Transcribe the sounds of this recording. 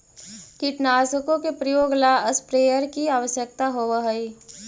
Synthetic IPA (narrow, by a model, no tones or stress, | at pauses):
kiʈnaːsəkõkepɾəjoːɡlaːəspɾeːjəɾkiaːʋəʃjək̚t̪aɦoʋəɦəi